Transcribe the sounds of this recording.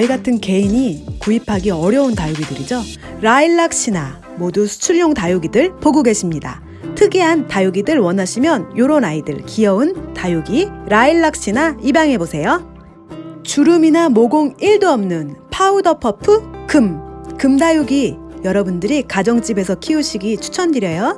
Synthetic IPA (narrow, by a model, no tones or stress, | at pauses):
ʌiɡatʰɯnke̞iɲikuipʰaɡiʌɾjʌuntajuɡidɯɾid͡ʑo | ɾaiɭːak̚ɕ͈ʰina | modusʰu̥t͡ɕʰuʎːoŋtajuɡidɯɭpoɡuɡe̞ɕʰimɲida̰ | tʰɯɡiɦantajoɡidɯɭwʌnaɕʰimjʌnjoɾonaidɯ̰ɭkijʌuntajuɡiɾaiɭːak̚ɕ͈inaibaŋɦe̞bosʰe̞jo | t͡ɕuɾuminamoɡoŋiɭduʌmnɯnpʰaudʌpʰʌpʰɯkɯmkɯmdajuɡijʌɾʌbundɯɾikad͡ʑʌŋt͡ɕ͈ibe̞sʰʌkʰiuɕʰiɡit͡ɕʰu̥t͡ɕʰʌndiɾjʌjo